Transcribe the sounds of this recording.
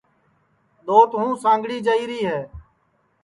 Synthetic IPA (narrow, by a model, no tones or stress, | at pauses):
ɗ̪oːt̪ɦũːsãːŋɡɽiːd͡ʒəiːɾiːɦɛː